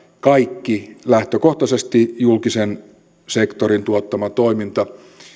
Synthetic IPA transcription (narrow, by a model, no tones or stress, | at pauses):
kɑikːilæht̪økoht̪ɑsest̪ijulkisen | sekt̪oɾint̪uot̪ːɑmɑt̪oimint̪ɑ